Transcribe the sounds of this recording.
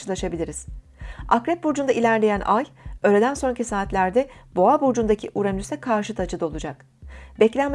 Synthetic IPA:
ɯlˠaʃabilʲiɾiz̥ | akɾɛp̚buɾd͡ʒund̪ailʲæɾlʲe̞jænʔajøːɾed̪ænso̞ncʰisaːt̪lʲæɾd̪ɛboabuɾd͡ʒund̪acʰiʔuɾanysɛkʰaɾʃɯt̪ʰat͡ʃʰɯd̪o̞lˠud͡ʒak | bɛclʲænm

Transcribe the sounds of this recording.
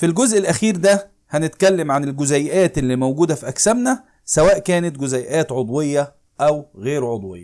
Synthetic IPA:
filɡozʔelʔæxiːɾd̪æ | hænɪt̪kælːæmʕanelɡʊzæjʔæːt̪ʔelːiːmowɡuːd̪æfiʔæksæbnæ | sæwæːʔkæːnet̪ɡʊzæjʔæːt̪ʕod̪ˤwejːɑ | ʔæwɣeːɾʕod̪ˤwḛjːɑ

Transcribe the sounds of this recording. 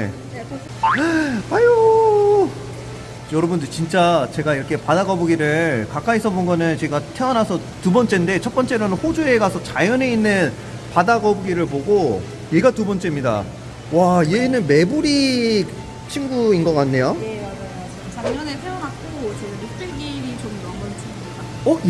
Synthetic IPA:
ḛ | pajo | jʌɾʌbundɯɭt͡ɕint͡ɕ͈at͡ɕe̞ɡaiɾʌkʰe̞padaɡʌboɡiɾɯkak͈aisʰʌbonɡʌnɯnt͡ɕe̞ɡatʰeʌnasʰʌ | tubʌnt͡ɕ͈e̞nde̞t͡ɕʰʌt̚p͈ʌnt͡ɕ͈eɾonɯnɸod͡ʑue̞ɡasʰʌt͡ɕajʌne̞inːɯn | padaɡʌboɡiɾɯɭpoɡo | je̞ɡatubʌnt͡ɕ͈emɲida̰ | wajenɯnme̞buɾi | t͡ɕʰinɡuinɡʌk͈anːe̞jomad͡ʑajo | t͡ɕaŋɲʌnetʰeʌnak͈ot͡ɕeɡanot͈ɯɭkeimit͡ɕomdʌmɡʌnt͡ɕʰiɡuik͈a | ʌ

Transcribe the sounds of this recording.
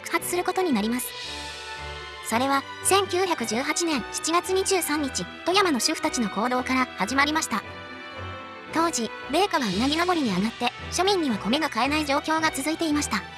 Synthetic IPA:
kɯ̟̥hat͡sɨ̥sɨɾɯ̟ko̞t̪o̞ɲ̟inaɾʲimasɨ̥ | so̞ɾe̞β̞a | sẽ̞ŋkʲɨːçakɯ̟ʑɨːɦat͡ɕinẽ̞ɰ̃ɕi̥t͡ɕiɡat͡sɨɲ̟iʑɨːsãɲ̟ːit͡ɕit̪o̞jamano̞ɕɨɸɯ̟̥t̪at͡ɕino̞ko̞ːd̪o̞ːkaɾahaʑimaɾʲimaɕi̥t̪a | t̪o̞ːd͡ʑi | be̞ːkaɡaɯnaɡʲino̞ɡo̞ɾʲiɲ̟iaɡat̪ːe̞ | ɕo̞mʲĩɲ̟ːiβako̞mʲeɡakae̞naid͡ʑo̞ːkʲo̞ːɡat͡sɨzɨit̪e̞imaɕi̥t̪a

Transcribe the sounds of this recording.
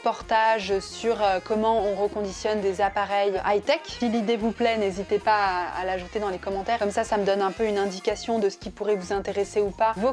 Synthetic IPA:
pɔʁt̪aʒsyʁøkɔmɑ̃ɔ̃ʁəkɔ̃d̪isjɔnd̪ezapaʁɛjajt̪ɛksilid̪evuplɛnezit̪epaa̰laʒut̪ed̪ɑ̃lekɔmɑ̃t̪ɛʁkɔmsasaməd̪ɔnɛ̃pøynɛ̃d̪ikasjɔ̃d̪əsə̥kʲipuʁɛvuzɛ̃t̪eʁeseupavo

